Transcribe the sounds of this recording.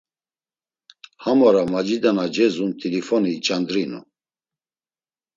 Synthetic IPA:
hamɔɾamad͡ʒid̪anad͡ʒɛzunt̪ʰilifɔniːt͡ʃʼand̪ɾinṵ

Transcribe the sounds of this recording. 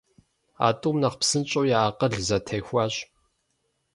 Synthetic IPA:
a̰ːtʼuːmnɐqpsɨnt͡ʃʼowjaaːqɐɮzɐtʰɐjxʷɑːɕ

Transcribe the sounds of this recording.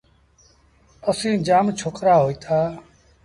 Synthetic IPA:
əsĩːd͡ʒaːmt͡ʃʰoːkɾaːɦoːiːt̪ʰaː

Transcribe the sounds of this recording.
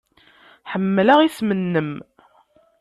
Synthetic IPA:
ħəmːləʁismənːəm

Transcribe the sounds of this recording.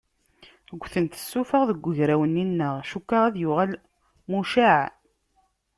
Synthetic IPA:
əɡʷːθənt̪ə̥sːufəʁðəɡʷːəʝɾæwənːinːəʁʃukːaʁæðjʊʁæl | muʃaʕ

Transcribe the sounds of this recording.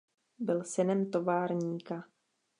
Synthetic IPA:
bɪlsɛnɛmt̪o̞vaːɾɲiːka

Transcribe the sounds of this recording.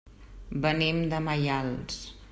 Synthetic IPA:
bənimd̪əmajalˠs

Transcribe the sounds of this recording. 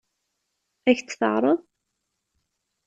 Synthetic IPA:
æçt͡sːθə̰ʁɾˤəðˤ

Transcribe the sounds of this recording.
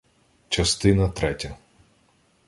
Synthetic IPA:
t͡ʃɐst̪ɪnɐt̪ɾɛtʲɐ

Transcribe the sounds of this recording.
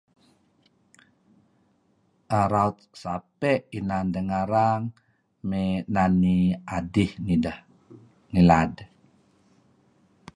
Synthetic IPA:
ʔaɾaut̪̚sapɛʔinandəŋaɾaŋ | mɛnaniʔadihnia | nilad

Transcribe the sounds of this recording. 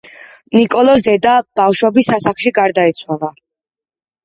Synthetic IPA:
nikʼɔlˠɔs̬d̪ɛd̪ab̥afʃwɔbisasaχʃiɡaɾd̪ait̪sʰwalˠa

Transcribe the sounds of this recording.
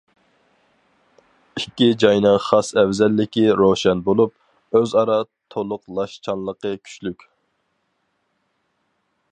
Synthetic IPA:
ikʲːid͡ʒɑjnɨŋχɑsɛwzɛlːɪkʲiɾoʃɛnbolˠup̚ | øzɑɾɑt̪ʰolˠʊqlˠɑʃt͡ʃʰɑnlˠəqəkʲʰy̥t͡ʃlykʲ

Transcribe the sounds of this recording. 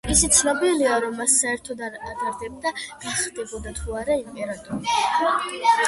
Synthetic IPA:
isit̪sʰnɔbiliaɾɔmːasːaɛɾt̪ʰɔd̪aad̪aɾd̪ɛb̚d̪aɡ̥aχd̪ʼɛbɔd̪at̪ʰuaɾaimpʼɛɾat̪ʼɔɾi

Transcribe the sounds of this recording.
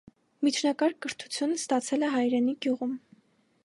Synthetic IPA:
mit͡ʃʰnɑkɑɾkəɾt̪ʰu̥t͡sʰjunəst̪ɑt͡sʰɛlɛɦɑjɾɛniɡjuʁum

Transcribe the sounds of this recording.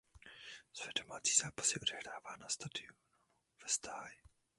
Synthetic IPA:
svɛdo̞maːt͡siːzaːpḁsɛʔodɛhɾaːvaːnast̪adɪon | vɛst̪aːj

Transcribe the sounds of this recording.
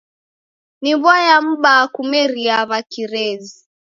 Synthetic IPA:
niβwajam̩ɓakumɛɾiaβakiɾɛzi

